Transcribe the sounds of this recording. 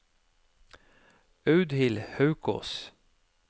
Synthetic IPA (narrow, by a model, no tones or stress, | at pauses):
œʉd̪hɪlhɑʉko̰s